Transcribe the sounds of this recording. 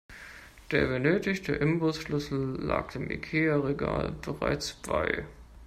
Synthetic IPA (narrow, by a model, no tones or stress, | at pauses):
d̥eːɐbənøːtɪçtəʔɪmbʊsʃlʏsl̩la̰ːk̚tʰɪmʔḭkʰeːaʁeɡaːlb̥əʁa̰ɪt͡sb̥aɪ